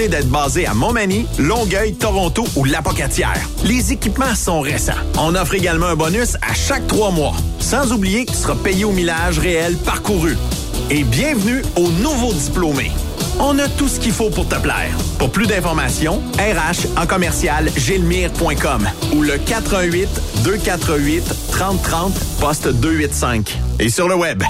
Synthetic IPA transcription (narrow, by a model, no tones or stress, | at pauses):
ed̪ɛːt̪χbɑːzea̰mɔ̃manilɔ̃ɡœjt̪ɔʁɔ̃t̪oʔulapɔkat͡sjɛ̰ːʁlezekʲipmɑ̃sɔ̃ʁesɑ̰̃ɔ̃nɔfʁeɡʲalmãɛ̃bɔnysa̰ʃak̚t̪χwɑmwɑ̰sɑ̃zublijekʲi̥səʁapɛjeomilaʒʁeɛlpaʁkuʁy | ebjɛ̃vnyonuvod̪iplomḛ | ɔ̃nat̪usə̥kʲifopʊʁt̪əplɛ̰ːʁ | pʊʁplyd̪ɛ̃fɔʁmasjɔ̃ | ɛːʁaʃɑ̃kɔmɛʁsjalʒɪlmiːʁpwɛ̃kɔmuləkat̪ʁœ̃ɥɪt̪d̪økʲat̪χəɥɪt̪ːʁɑ̃ːt̪ːχɑ̃ːt̪pɔst̪d̪øɥɪt̪sɛ̃kesyʁləwɛb